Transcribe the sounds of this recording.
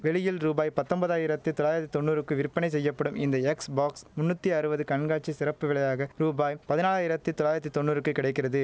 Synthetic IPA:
ʋɛɭɪjɪlɾuːbaːjpɐt̪ːɔmbɐðaːjɪɾɐt̪ːɯt̪ɔlaːjɪɾɐt̪ːi̥t̪ɔnːuːɾɯkːɯʋɪɾpːɐnɐɪs̬ɛjːɐpːɐɽɯmɪnd̪ɐɛksbaːksmʊnːut̪ːiɐɾɯbɐðɯkɐɳɡaːʈt͡ʃisɪɾɐpːɯʋɪɭɐjaːɣɐɾuːbaːjpɐðɪnaːlaːjɪɾɐt̪ːɯt̪ɔlaːjɪɾɐt̪ːit̪ɔnːuːɾɯkːɯkːɪɽɐɪk̬ːɪrɐðɯ

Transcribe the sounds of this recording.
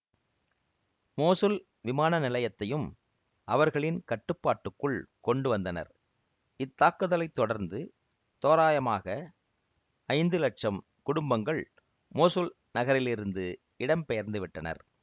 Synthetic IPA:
moːsɯl | ʋɪmaːnɐnɪlɐjɐt̪ːɐjɯm | ʔɐʋɐɾɣɐɭɪnkɐʈːɯpːaːʈːɯkːɯɭkɔɳɖɯʋɐnd̪ɐnɐ̰ɾ | ɪt̪ːaːkːɯðɐlɐɪt̪ːɔɽɐɾnd̪ɯ | t̪oːɾaːjɐmaːɣɐ | ɐɪnd̪ɯlɐʈ̚t͡ʃɐm | kʊɽʊmbɐŋɡɐɭ | moːsɯl | nɐɣɐɾɪlɪɾɯnd̪ɯ | ɪɽɐmpɛjɐɾnd̪ɯʋɪʈːɐnɐ̰ɾ

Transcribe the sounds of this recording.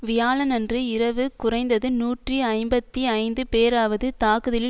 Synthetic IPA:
ʋɪjaːlɐnɐndrɯɪɾɐʋɯkʊrɐɪnd̪ɐðɯnuːʈriɐɪmbɐt̪ːiɐɪnd̪ɯpeːɾaːʋɐðɯt̪aːkɯðɪl

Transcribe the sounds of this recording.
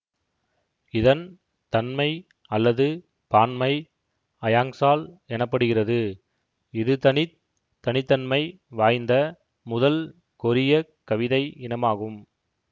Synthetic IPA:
ɪðɐn | t̪ɐnmɐɪ | ɐlːɐðɯ | paːnmɐɪ | ɐjaːŋsaːlɛnɐpːɐɽɯɣɪrɐðɯ | ɪðɯt̪ɐnɪ | t̪ːɐnɪt̪ːɐnmɐɪ | ʋaːjnd̪ɐ | mʊðɐl | kɔɾɪjɐ | kɐʋɪðɐɪɪnɐmaːɣɯm

